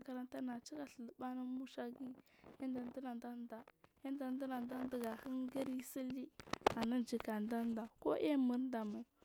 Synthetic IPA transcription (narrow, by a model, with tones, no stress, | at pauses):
ka˨ɾa˦nta˦na˨t͡ʃi˦ka˨˦ɬə˨lə˨ɓa˦na˦mu˦ʃa˦ɡi˦a˦n˦da˨ndə˦na˨nda˦n˦da˨ja˦n˦da˨n˦da˦na˨nda˦n˦da˦ɡa˨hi˦nɡə˦ɾi˦si˦li˦a˨na˦d͡ʒi˨ka˨nda˦n˦da˨ko̰˦ʔe˦mə˨ɾnda˨ma˨